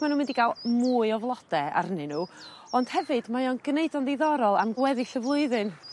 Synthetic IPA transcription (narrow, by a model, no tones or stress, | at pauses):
manuːmɪndiɡaːlˠmuːɨɔvlˠɔd̥ɛa̰rnɨnuː | ɔnd̥hɛvɨd̥majɔnɡneɨdɔnðejðɔɾɔlˠamɡwɛðɪɬəvlˠʊɨðɨn